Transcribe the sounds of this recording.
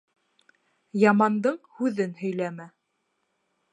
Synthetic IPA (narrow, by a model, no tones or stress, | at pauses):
jɑmɑnd̪ɤɴhʉðɘnhɵ̆jlæmæ